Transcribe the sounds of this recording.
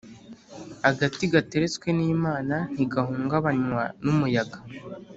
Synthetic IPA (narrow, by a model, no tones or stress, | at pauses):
aɡatiɡate̞ɾe̞t͡skwe̞niːmaːnan̥iɡaɦuːŋɡaβaɲwanumujaɡḁ